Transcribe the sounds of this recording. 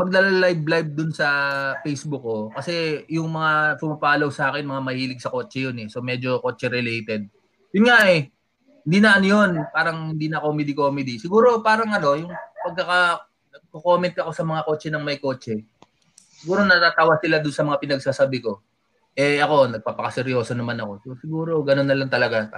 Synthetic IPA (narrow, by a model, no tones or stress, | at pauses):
mɐɡ̚lɐlallajblajb̚d̪ʊnsɐfejsbʊk̚ːo̞kɐsɛjʊŋmɐŋapʊmɐpaːlowsɐaːkɛnmɐŋamɐhiːlɪɡ̚sɐko̞ːt͡ʃɛjonɛso̞mɛd͡ʒo̞ko̞ːt͡ʃɛɾɛlɛjt̪ɛd̪̚ | jʊnŋaʔɛ | hɪnd̪iːnɐʔanjo̞npaːɾɐŋhɪnd̪iːnɐkomɛd̪ɪko̞ːmɪd̪isɪɡuːɾo̞paːɾɐŋɐno̞jʊŋpɐɡ̚kɐkɐ | nɐɡ̚koko̞ːmɛnt̪ɐko̞sɐmɐŋako̞ːt͡ʃɛnɐŋmɐjko̞ːt͡ʃɛ | sɪɡuːɾo̞nɐt̪aːt̪aːwɐsɪlad̪ʊnsɐmɐŋapɪnɐɡ̚sasabɪko̞ | ʔɛɐko̞nɐɡ̚paːpɐkɐsɛɾjo̞ːsonɐmanɐko̞sɛsɪɡuːɾo̞ɡɐno̞nːɐlɐŋt̪ɐlɐɡa